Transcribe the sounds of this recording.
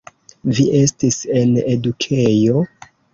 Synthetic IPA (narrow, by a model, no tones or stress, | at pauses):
viʔe̞stise̞ne̞dukʰejo̞